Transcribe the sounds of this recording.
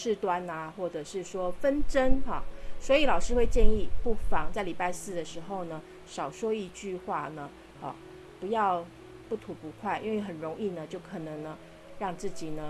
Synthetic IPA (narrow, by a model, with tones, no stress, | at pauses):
ʂɻ̩˥˩t̪wa˥na˨xwɔ˥˩ʈ͡ʂɤ˨˩ʂɻ̩˥˩ʂwɔ˥fə˦nʈ͡ʂə˦˥nɐ˨swɔ˧˥i˨˧˦lɑ˨˩ʊʂɻ̩˥xwe˥˧ɪt͡ɕjɛ˥˧ni˥˧pu˥˩fɑ˨˩ŋt͡sa˥˩ɪli˨˩pa˥˧ɪsɹ̩˥˩d̪ə˩ʂɻ̩˧˥xo˥˧ʊnə˩ | ʂɑ˨˩ʊʂwɔ˥i˥˧t͡ɕy˥˧xwa˥˩nə˩ | ɔ̰˨˩ | pu˧˥jɑ˥˧ʊ | pu˥˩t̪ʰu˧˥pu˧˥kʰwa˥˩ɪʔḭ˥nwe˥˩ɪxə˨˩nɻo˧˥ŋi˥˩nə˩t͡ɕjo˥˩ʊkʰɤ˨˩nə˧˦ŋnə˧ | ɻɑ˥˧ŋt͡sɹ̩˥˩t͡ɕi˨˩nə˦